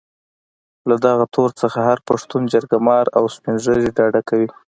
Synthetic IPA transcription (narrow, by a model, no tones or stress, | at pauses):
lad̪aɣat̪ʰoɾt͡səxahaɾpaʂt̪und͡ʒaɾɡamɑɾawspɪnʒəɾeɖɑɖakawi